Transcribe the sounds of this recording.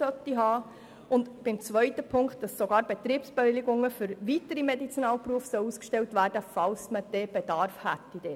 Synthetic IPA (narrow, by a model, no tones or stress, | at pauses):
œt̪iɦɑː | ʊndb̥ɪmt͡sʋœʏtəpʰʊŋkt̚d̥ɑsːoɡɑːɾb̥et̪ɾiːbsb̥eʋɪliɡʊŋːəfʏɾʋitəɾimedit͡sinɑːlpruəfsœluːskʃtɛltʋæːɾd̥əfɑlsməd̥ɛːb̥ed̥ɑɾfhæt̪ːid̥ɛː